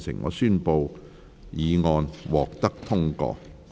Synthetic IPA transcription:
sɪ̰˨˩ŋŋɔ̰ː˨˧syː˥npo˧w | jiː˨˧ŋɔː˧nwɔː˨k̚t̪ɐ˥k̚t̪ʰʊ˥ŋkɔ̰ː˧

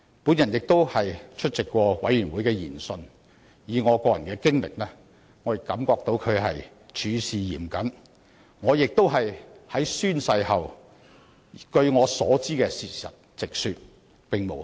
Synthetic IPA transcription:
puː˨˥njɐ˨˩njɪ˨k̚t̪o˥whɐ˨jt͡ʃʰɵ˥t̚t͡sɪ˨kːʷɔː˧wɐ˨˥jyː˨˩nwu˨˥jkɛː˧jḭː˨˩nsɵ˧n | jiː˨ŋɔː˨˧kɔː˧jɐ˨˩nkɛː˧kɪ˥ŋlɪ̰˨k̚lɛː˥ | ŋɔː˨˧jɪ˨kːɐ˨˥mkɔː˧k̚t̪o˨˧wkʰɵ˨˧ɦɐ˨j | t͡ʃʰyː˨˧siː˨jḭː˨˩mkɐ˨˥n | ŋɔː˨˧jɪ˨k̚t̪o˥wɦɐ˨jhɐ˨˥jsyː˥nsɐ˧jhɐ˨w | kɵ˧ɥŋɔː˨˧sɔː˨˥t͡siː˥kɛː˧siː˨˩sɐ̰˨t̚t͡sɪ˨k̚syː˧t̚ | pɪ˨ŋmo˨˩w

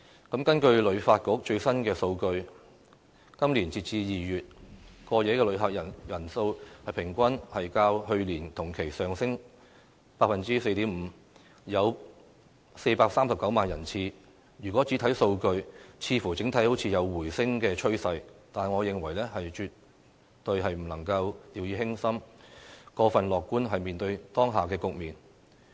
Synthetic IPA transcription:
kɐ˨˥mkɐ˥nkɵ˧ɥlɵ˨˧ɥfaː˧t̚kɔː˨˥k̚t͡ʃɵ˧ɥsɐ˥nkɛː˧so˧wkɵ˧ɥ | kɐ˥mliː˨˩nt͡siː˧t̚t͡siː˧jiː˨˩jyː˨t̚kɔː˧jɛ˨˧˥kɛ˧lɵ˨˧˥ɥɦaː˨˩k̚jɐ˨˩jɐ˨˩nso˧whɐ˨jpʰɪ˨˩ŋkʷɐ˥nhɐ˨jkaː˧whɵ˧ɥliː˨˩nt̪ʰʊ˨˩ŋkʰe˨˩jsœː˨ŋsɪ˥ŋ | paː˧k̚fɐ˨nt͡siː˥se˧jt̪iː˨˥mm̩ː˨˧ | jɐ˨˧w | se˧jpaː˧k̚saː˥msɐ˨p̚kɐ˨˥wmaː˨njɐ̰˨˩nt͡sʰiː˧ | jyː˨˩kʷɔː˨˥t͡siː˨˥t̪ʰɐ˨˥jso˧wkɵ˧ɥt͡sʰiː˧fu˨˩t͡sɪ˨˥ŋt̪ʰɐ˨˥jho˨˥wt͡sʰiː˧jɐ˨˧wːuː˨˩jsɪ˥ŋkɛː˧t͡ʃʰɵ˥ɥsɐ˧jt̪aː˨˩nŋɔː˨˧jɪ˨ŋwɐ˨˩jlɛː˥hɐ˨jt͡ʃyː˨t̚ | t̪ɵ˧ɥɦɐ˨jm̩˨˩lɐ˨˩ŋkɐ˧wt̪iː˨˧wjiː˧ɦɪ˥ŋsɐ˥m | kɔː˧fɐ˨nlɔː˨kːuː˥nɦɐ˨jmiː˨nt̪ɵ˧ɥt̪ɔː˥ŋɦaː˨˩kɛː˧kʊ˨k̚miː˨n

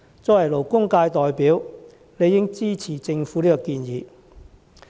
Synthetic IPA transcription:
t͡sɔː˧˥ɐ˨˩lo˨˩wkʊ˥ŋkaː˧jt̪ɔː˨jpiː˨˥w | ne˨˧jɪ˥ŋt͡siː˥t͡sʰiː˨˩t͡sɪ˧ŋfuː˨˥liː˥kɔ˧kiː˧njiː˨˧

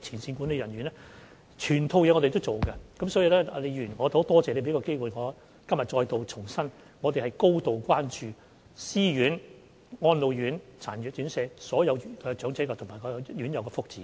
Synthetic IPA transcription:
t͡sʰiː˨˩nsiː˧nku˨˥ne˧jɐ˨˩nɥyː˨˩nɛ˥ | t͡ʃʰyː˨˩nt̪ʰo˧wjɛ˨˧ŋɔ˨˧te˨t̪o˥wt͡so˨wkɐ˧kɐ˨˥msɔː˨˥ji˧wlɛː˥a˨˧le˨˧jyː˨˩nɔː˨˧t̪o˨˥wt̪ɔː˥t͡sɛː˨˩le˧pe˨˥kɔ˧ke˥jwuː˨jŋɔː˨˧ | kɐ˥mjɐ˨t̚t͡ʃɔː˧jt̪o˨˧wt͡ʃʰʊ˨˩ŋsɐ˥n | ŋɔː˨˧t̪e˨jhɐ˨jko˥wt̪o˨wkʷaː˥nt͡ʃyː˨ | siː˥jyː˨˥n | ŋɔː˧nlo˨wjyː˨˥nt͡sʰaː˨˩njyː˨˩t̚t͡ʃy˨˥nsɛː˧sɔː˨˥jɐ˨˧wɛː˧t͡ʃœː˨˥ŋt͡sɛ˨˥kɔː˧t̪ʰmaː˨˩jkɔː˨˧jy˨˥njɐ˨˧wkɛː˧fʊ˥k̚t͡siː˨˦

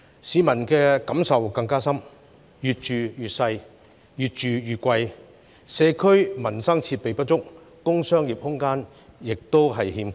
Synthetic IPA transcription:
siː˨˧mɐ˨˩nkɛː˧kɐ˨˥msɐ˨wkɐ˧ŋkaː˥sɐ˥m | jyː˨t̚t͡ʃyː˨jyː˨t̚sɐ˧j | jyː˨˩t̚t͡ʃyː˨jyː˨t̚kʷɐ˧j | sɛː˨˧kʰɵ˥ɥmɐ˨˩nsɐ˥ŋt͡sʰiː˧t̚pe˨jpɐ˥t̚t͡sʊ˥k̚ː | ʊ˥ŋsœː˥ŋjiː˨˩p̚hʊ˥ŋkaː˥n | jɪ˨k̚t̪o˥wɦɐ˨jhiː˧mkʰ

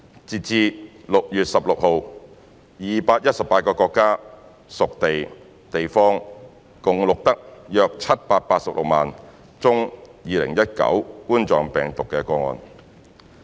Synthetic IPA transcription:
t͡siː˨t̚t͡siː˧lʊ˨k̚jyː˨t̚sɐ˨p̚lʊ˨k̚ho˨w | jiː˨paː˧t̚jɐ˥t̚sɐ˨pːaː˧t̚kɔː˧kɔː˧kːaː˥ | sʊ˨k̚t̪e˨j | t̪e˨jfɔː˥ŋ | kʊ˨˩ŋlʊ˨k̚t̪ɐ˥k̚jœː˧k̚t͡sʰɐ˥t̚paː˧t̚paː˧t̚sɐ˨p̚lʊ˨k̚maː˨n | t͡sʊ˥ŋjiː˨˧lɪ̰˨˩ŋjɐ˥t̚kɐ̰˨˥wkuː˥nt͡sɔː˨ŋpɛː˨ŋt̪ʊ˨kːɛː˧kɔː˧ŋɔ̰ː˧n

